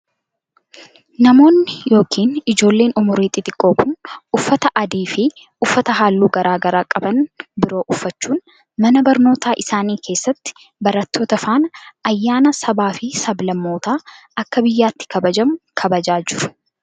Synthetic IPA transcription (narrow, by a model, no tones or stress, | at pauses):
nɐmo̞ːnːɪjo̞ːkʰiːnɪd͡ʒo̞ːlːe̞ːnʊmʊɾiːt̪ʼɪt̪ʼɪkʼːo̞ːkʊnʊfːɐt̪ɐʔɐd̪iːfɪ | ʊfːɐt̪ɐɦaːlːuːɡɐɾaːɡɐɾaːkʼɐbɐnbɪɾo̞ːʔʊfːɐt͡ʃːuːn | mɐnɐbɐɾno̞ːt̪aːʔɪsaːniːkʰe̞ːsːɐt̪ːɪ̥ | bɐɾɐt̪ːoːt̪ɐfaːnɐjːaːnɐsɐbaːfɪsɐblɐmːo̞ːt̪aː | ɐkːɐbɪjːaːt̪ːɪ̥kʰɐbɐd͡ʒɐmʊkʰɐbɐd͡ʒaːd͡ʒɪɾʊ̥